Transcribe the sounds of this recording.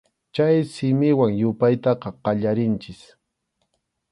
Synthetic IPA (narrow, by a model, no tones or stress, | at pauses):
t͡ʃajsɪmɪwaŋjʊpajt̪ɑqɑqɑʎaɾɪnt͡ʃɪs